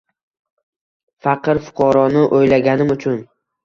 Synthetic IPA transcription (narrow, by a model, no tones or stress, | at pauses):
fɑqɨɾfʊ̥qʰɑɾɒnɪʔojlaɡʲanɪmʊt͡ʃʰʊn